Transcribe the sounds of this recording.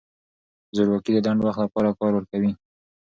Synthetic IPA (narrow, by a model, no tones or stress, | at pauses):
zʊɾwakid̪əd̪aɳɖwaxt̪lapɑɾakɑɾwəɾkawi